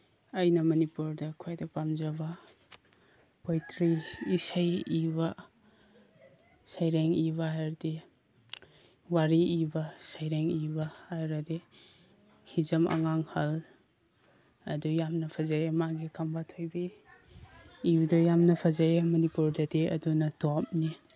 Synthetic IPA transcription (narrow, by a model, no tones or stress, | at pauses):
ɐjnɐmɐnipuɾdɐkʰajdɐpamzɐβɐ | pojtʰɾiisajiβɐ | sajɾeŋiβaajɾdi | waɾiibɐsajɾeŋibɐajɾɐdi | hizɐmɐ̰ŋaŋhɐl | ɐdujamnɐpʰazajemaɡikʰɐmbatʰojbi | idɔjamnɐpʰɐzajemɐnipuɾdɐdeɐ̰dunɐtɔp̚ni